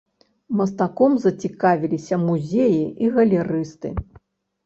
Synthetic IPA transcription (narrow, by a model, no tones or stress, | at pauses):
mɐst̪akɔmzɐt͡sʲikavʲilʲisʲɐmuzʲejiʔiɣɐlʲɛɾɨst̪ɨ̰